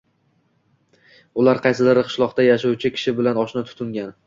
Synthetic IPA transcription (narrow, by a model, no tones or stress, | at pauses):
ʊlaɾqʰɑjsɪlɪɾɪqʰɨ̥ʃlˠɒqt̪ajaʃawt͡ʃʰɪkʲʰɪ̥ʃɪbɪlanɒʃnɪt̪ʰʊ̥t̪ʰɪŋɡʲan